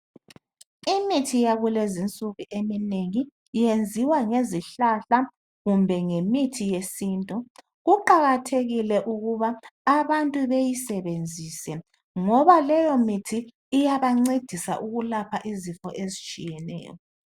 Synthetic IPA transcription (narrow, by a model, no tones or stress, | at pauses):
imitʰijaɣulezint͡sʼuɣuʔemineŋi | jend͡zʱiwaŋeziɬaɬa | ɣumbʱɛŋemitʰijesiːntʼɔ | ɣuǃaɣatʰeɣilɛʔuɣuβaːβantʼuβejisɛβend͡zʱiːsɛ | ŋɔβalɛjɔmitʰiː | jaβaŋ͡ǀed̥ʱisa̰ʔuɣulapʰaʔizifɔʔezit͡ʃʼijɛnɛ̰ːjɔ̰